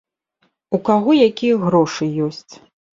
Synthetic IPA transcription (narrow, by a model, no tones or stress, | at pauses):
ukaɣɔjakʲijɐɣɾɔʂɨjɔsʲt͡sʲ